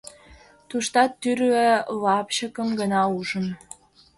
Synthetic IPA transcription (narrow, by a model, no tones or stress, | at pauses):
t̪uʃt̪ɑt̪ːyɾɣelɑpɕəkəmɡənɑuʒən